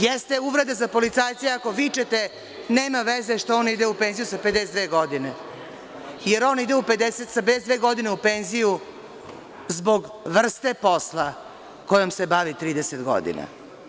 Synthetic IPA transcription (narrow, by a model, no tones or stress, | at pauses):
jest̪e̞uʋɾe̞d̪azapo̞lit̪saːjt̪seako̞ʋit͡ʃet̪e | neːmaʋezeʃt̪ooːnid̪eupenzijusaped̪esed̪ʋeːɡo̞d̪ine | jeɾo̞ːnid̪euped̪eset̪saped̪esd̪veːɡo̞d̪ineupenziju | zbo̞ɡ | ʋr̩st̪e̞po̞slˠa | kojomse̞baʋit̪ɾiːd̪eset̪ɡo̰d̪ḭna̰